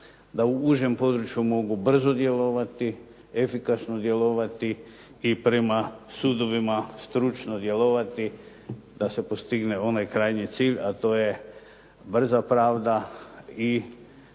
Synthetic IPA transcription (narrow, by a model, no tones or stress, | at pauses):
d̪auuʒe̞mpo̞d̪ɾut͡ʃjumo̞ɡubr̩zo̞d̪je̞lo̞ʋat̪i | efikasnod̪je̞lo̞ʋat̪i | ipɾe̞masud̪o̞ʋimast̪ɾut͡ʃnod̪je̞loʋat̪i | d̪̥ase̞po̞st̪iɡne̞o̞najkɾaːjnit̪siːʎʲat̪o̞ːje̞ | br̩zapɾaːʋd̪ai